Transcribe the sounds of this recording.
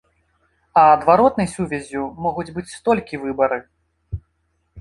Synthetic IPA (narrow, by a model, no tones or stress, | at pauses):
ɐɐd̪vaɾɔt̪nɐjsʲuvʲɛzʲumɔɣud͡zʲbɨt͡sʲst̪ɔlʲkʲivɨbɐɾɨ